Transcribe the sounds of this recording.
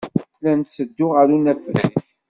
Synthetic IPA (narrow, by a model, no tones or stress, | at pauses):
lænt̪səd̪ːʊʁaɾunæfɾæç